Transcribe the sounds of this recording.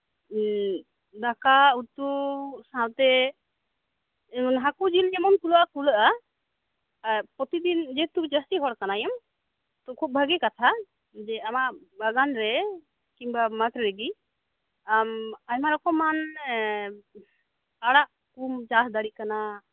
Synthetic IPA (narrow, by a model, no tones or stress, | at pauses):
d̪akauɾt̪usãt̪ɛ | nɦakud͡ʒilɛmɔnk̪uləʔakuləʔa | pɔt̪id̪ind͡ʒɛt̪ud͡ʒast̪iɦɔɽkanajɔm | t̪ɔkʰub̚bʱəɡɛkat̪ʰa | d͡ʒɛamaʔbaɡanɾɛ | kimbamat̪ɾɾeɡi | amajmaɾɔkɔman | aɽaʔ | kumt͡ʃasd̪aɽikana